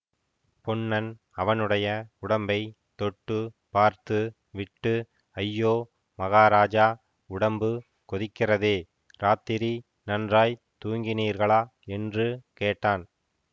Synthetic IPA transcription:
pɔɳːɐn | ɐʋɐnɯɽɐjɐʊɽɐmbɐɪ | t̪ɔʈːɯ | paːɾt̪ɯ | ʋɪʈːɯ | ɐjːoː | mɐɣaːɾaːd͡ʒaː | ʊɽɐmbɯ | kɔðɪkːɪrɐðeː | ɾaːt̪ɪɾi | nɐndraːj | t̪uːŋɡɪniːɾɣɐɭaːɛndrɯkeːʈːaːn

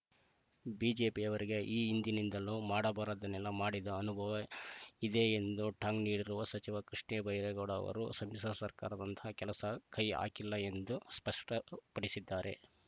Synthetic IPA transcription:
biːd͡ʒe̞ːpiɐʋɐɾiɡe̞ʔiːind̪inind̪ɐlumaːɽɐbaːɾɐd̪ɐnɛlːɐmaːɽid̪ɐːnubʱɐʋɐid̪eːend̪uʈʰaːŋɡniːɽiɾuʋɐsɐt͡ʃiʋɐkɾiʂɳɛːbʱɐjɾɛɡɔɽɐ̰ʋɐ̰ɾṵsɐmisɐsɐɾka̰ːɾɐd̪ɐnt̪ʰɐɐkɛlɐsɐkʰɐja̰ːkilːɐe̞nd̪uspɐʂʈɐpɐɽisid̪ːaːɾʔe̞̰

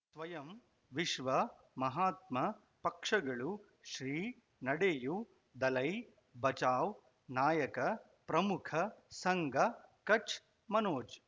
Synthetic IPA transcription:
sʋɐjɐm | ʋiʃʋɐ | mɐɦaːt̪̚mɐ | pɐkʂɐɡɐɭu | ʃɾiː | nɐɽeːju | d̪ɐlɐj | bɐt͡ʃaːw | naːjɐkɐ | pɾɐmukʰɐsɐŋɡʱɐkɐt͡ʃ | mɐnoːt͡ʃ

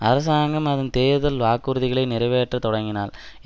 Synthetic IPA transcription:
ɐɾɐs̬aːŋɡɐmɐðɐnt̪eːðɐlʋaːkːuɾɯðɪɣɐɭɐɪnɪɾɐɪʋeːʈːrɐt̪ɔɽɐŋɡɪnaːl

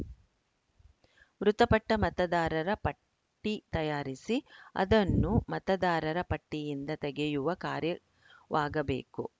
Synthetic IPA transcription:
ʋɾut̪ɐpɐʈːɐmɐt̪ɐd̪aːɾɐɾɐpɐ | ʈːit̪ɐjaːɾisiɐ̰d̪ɐnːumɐt̪ɐd̪aːɾɐɾɐpɐʈːijind̪ɐt̪ɛɡɛjuʋɐkaːɾjɐ | ʋaːɡɐbḛːku

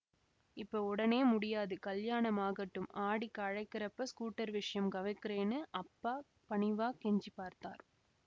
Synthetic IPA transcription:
ɪpːoːʊɽɐneːmʊɽɪjaːðɯkɐljaːɳɐmaːɣɐʈːɯmʔaːɽɪkːɐɻɐɪkːɪrɐpːɐskuːʈːɐɾʋɪʂɐjɐmɡɐʋɐɪkːɪreːnɯʔɐpːaː | pɐɳɪʋaːkɛɲd͡ʒipaːɾt̪a̰ːɾ

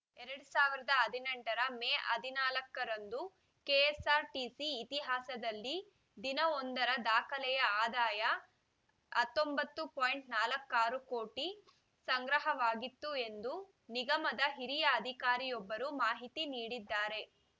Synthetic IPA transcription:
ɛɾɐɽusaːʋiɾɐd̪ɐɦɐd̪ʱinɛɳʈɐɾɐmeːʔɐ̰d̪ʱinaːlɐkːɐɾɐnd̪u | keːɛsaːɾʈisiːt̪iɦaːsɐd̪ɐlːi | d̪inɐɔnd̪ɐɾɐd̪aːkʰɐlɛjɐaːd̪aːjɐ | ɐt̪ːombɐt̪ːupoːjɳʈnaːlɐkːaːɾuko̞ːʈi | sɐŋɡɾɐɦɐʋaːɡit̪ːue̞nd̪u | niɡɐmɐd̪ɐɦiɾijɐːd̪ʱikaːɾijɔbːɐɾumaːɦit̪iniːɽid̪ːaːɾe̞

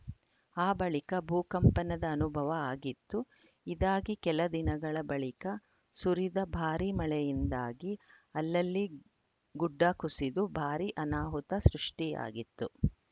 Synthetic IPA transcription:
aːbɐɭikɐbʱuːkɐmpɐnɐd̪ɐːnubʱɐʋɐaːɡit̪ːu | id̪aːɡikɛlɐd̪inɐɡɐɭɐbɐɭikɐ | suɾid̪ɐbʱaːɾimɐɭɛjind̪aːɡi | ɐlːɐlːi | ɡuɖːaːkusid̪ubʱaːɾiʔɐnaːɦut̪ɐsɾuʂʈija̰ːɡit̪ːu

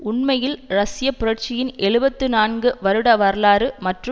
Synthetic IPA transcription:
ʊɳmɐjɪlɾɐsɪjɐpːʊɾɐʈt͡ʃɪjɪnʔɛɻɯbɐt̪ːɯnaːnɡɯʋɐɾɯɽɐʋɐɾlaːɾɯmɐʈrɯ

